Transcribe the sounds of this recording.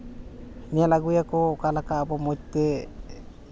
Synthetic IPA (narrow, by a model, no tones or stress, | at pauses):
nijalaɡujakɔkalakaːbɔmɔd͡ʒt̪ɛ